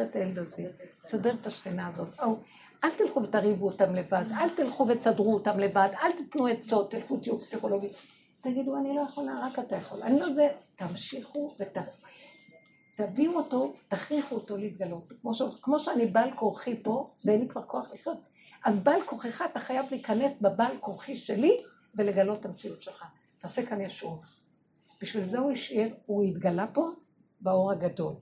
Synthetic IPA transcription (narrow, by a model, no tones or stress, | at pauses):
ʁeteld̪ozisodeʁetaʃχinaːzo̞tow | ʔalt̪ilχuvetaʁivuotamle̞vadʔalt̪ilχuvet͡sadʁuotamle̞vadalt̪it̪nuet͡so̞t̪ːilfut̪ijupsiχo̞lo̞ɡit | taɡiduanilo̞jaχolnaʁakatajaχo̞la̰nilo̞zetamʃiχuveta | t̪aviuoto̞taχʁiχuoto̞liːt̪ɡalo̞tkmoʃekmo̞ʃeanibalkoʁχipo̞veenlikvaʁkʰo̞aχliχjo̞t | ʔazbalkoχeχat̪aχajavliːkane̞sbabalkoʁχiʃe̞li | ve̞le̞ɡalo̞tːamt͡siutʃelχa | taːse̞kanjaʃuv | b̥iʃvilzeuiʃiʁuitɡalapo̞ | bao̞ʁaɡado̞l